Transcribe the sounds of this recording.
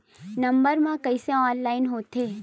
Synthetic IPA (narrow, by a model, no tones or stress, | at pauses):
nəmbəɾmãkəisẽɔnlainɦot̪ʰe